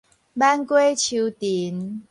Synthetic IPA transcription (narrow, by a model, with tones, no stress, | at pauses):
ba˦nkwe˦˥t͡ɕʰi˧wt̪i˨˦n